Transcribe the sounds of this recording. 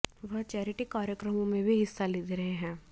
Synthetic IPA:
ʋɐɦt͡ʃɛːɾɪʈikaːɾjəkɾəmõmẽbʱiɦɪsːalɪd̪ɾɐɦeɦɛ̃ː

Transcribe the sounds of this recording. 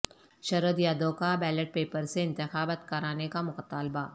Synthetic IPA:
ʃɐɾəd̪jaːd̪oːkabɛːləʈ̚peːpəɾseɪ̃nt̪ɪxaːbət̪kəɾaːnekamʊkt̪aːlba

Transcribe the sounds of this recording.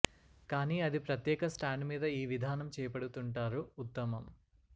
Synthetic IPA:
kaːniːɐd̪ipɾɐt̪jɛːkɐsʈaːɳɖmiːd̪ɐiːʋid̪ʱaːnɐmt͡ʃɛːjɐpɐɽut̪uɳʈaːɾuut̪ːɐmɐm

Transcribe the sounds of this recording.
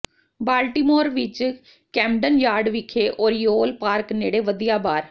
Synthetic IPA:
baːlʈiːmoːɾʋɪt͡ʃ | kɛːmɖənjaːɖʋɪkʰːeːʔoːɾjoːlpaːɾkneːɽeːʋəd̪ijaːbaːɾ

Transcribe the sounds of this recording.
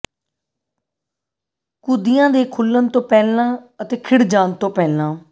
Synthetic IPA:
kʊd̪ɪjãːd̪eːkʰʊlːənt̪õːpɛːlãːət̪eːkʰɪɽd͡ʒaːnt̪õːpɛːlãː

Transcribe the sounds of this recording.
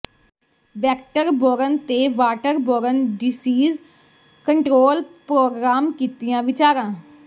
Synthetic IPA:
ʋɛːkʈəɾboːɾənt̪eːʋaːʈəɾboːɾənɖɪsiːz | kəɳʈɾoːlpɾoːɡɾaːmkiːt̪ɪjãːʋɪt͡ʃaːɾãː

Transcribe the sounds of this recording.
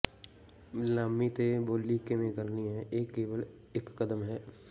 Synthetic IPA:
laːmːit̪eboːlikemẽɡəɾniɦɛ̃ʔeːkːeːʋəl | ekːəd̪əmɦɛː

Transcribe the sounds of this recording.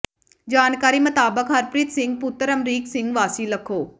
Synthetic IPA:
d͡ʒaːnkaːɾiːmət̪aːbəkɦəɾpɾɪt̪sɪ̃ŋɡ̚pʊt̪ːəɾəmɾiːksɪ̃ŋɡʋaːsiləkʰoː

